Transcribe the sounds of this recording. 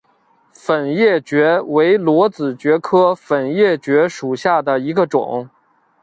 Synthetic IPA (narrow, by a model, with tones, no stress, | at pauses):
fə˨˩njɛ˥˩t͡ɕɥɛ˧˥we˧˥ɪlwɔ˧˥t͡sɹ̩˨˩t͡ɕɥɛ˧˥kʰɤ˥fə˨˩njɛ˥˩t͡ɕɥɛ˧˥ʂu˨˩ɕja˥˩d̪ə˩i˧˥ɡə˧ʈ͡ʂʊ̰˨˩˦ŋ